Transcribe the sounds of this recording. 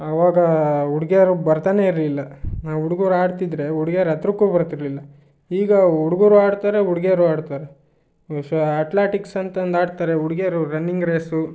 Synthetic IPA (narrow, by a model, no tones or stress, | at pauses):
ɐʋaːɡɐuɽɡeɾubɐɾt̪aːne̞iɾlilːɐnaːʋuɽuɡoːɾuaːɽt̪id̪ɾe̞uɽɡeɾɐt̪ɾukːuːbɐɾt̪iɾlilːɐ | iːɡɐuɽuɡoːɾuaːɽt̪aːɾeuɽɡeɾuaːɽt̪aːɾe | ɐʈlaːʈiksɐnt̪ɐnd̪aːɽt̪aːɾeuɽɡeɾuɾɐnːiŋɡɾeːsu